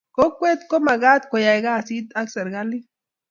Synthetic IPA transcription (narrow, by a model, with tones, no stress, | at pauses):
ko˦kwe˦t̪ko˦ma˨ɡaː˦t̪kɔ˨ja˨jɡa˦˨si˦t̪a˦ksɐ˨ɾɡa˦lːi˦